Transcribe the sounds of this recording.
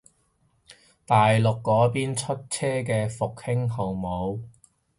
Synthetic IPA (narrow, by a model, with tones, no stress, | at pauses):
t̪aː˨jlʊ˨kːɔː˨˥piː˥nt͡ʃʰɵ˥t̚t͡sʰɛː˥k̬ɛː˧fʊ˨k̚hɪ˥ŋɦo˨˩wmo˨˧w